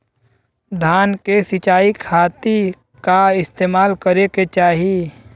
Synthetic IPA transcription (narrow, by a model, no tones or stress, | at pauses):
d̪ʱaːnkesɪt͡ʃaːikʰaːt̪i | kaɪst̪eːmaːlkəɾeket͡ʃaːɦi